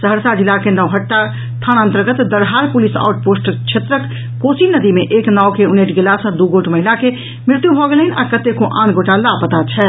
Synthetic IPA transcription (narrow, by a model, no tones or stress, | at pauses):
səɦəɾsad͡ʒilakenəʋɦəʈːa | t̪ʰanə̃nt̪əɾɡət̪d̪əɾɦaɾpulisa̰uʈ̚posʈt͡ʃʰet̪ɾəkː | osinəd̪imeʔeːknawkeuneʈɡelasə̃d̪uɡoʈməɦilake | mɪɾt̪jubʱɔɡelinakət̪ekõʔãːnɡoʈalapət̪at͡ʃʰɛ